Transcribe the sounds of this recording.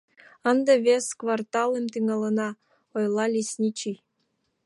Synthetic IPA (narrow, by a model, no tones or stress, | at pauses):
ənd̪ɤβʲeskvɑrt̪ɑlemt̪yŋɑlənɑ | ojlˠɑlʲisʲnʲit͡ɕij